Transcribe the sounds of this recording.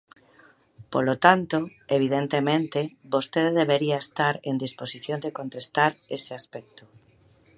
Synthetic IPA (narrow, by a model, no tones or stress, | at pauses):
polot̪ant̪oeβ̞ið̞ent̪emẽnt̪ebost̪eððeβeɾiaest̪aɾend̪isposiθjond̪ekont̪est̪aɾeseaspɛk̚t̪o